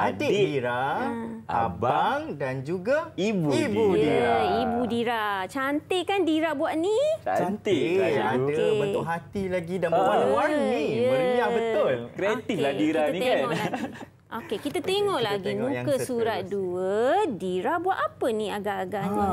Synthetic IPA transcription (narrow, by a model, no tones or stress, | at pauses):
atiiɾa | a̰baŋdand͡ʒuɡaibibuiibudiɾat͡ʃant̪eʔkandiɾabuaʔniaant̪eadəbənʊʔɦat̪ilaɡidanəwaaniəbəjabət̪ʊlkɾeat̪ifladiɾaniekaɔlai | ʔokekit̪at̪eŋɔʔlaɡimũŋkəsuɾat̪̚duədiɾabuaʔ̪apənĩaɡaʔːɡaʔni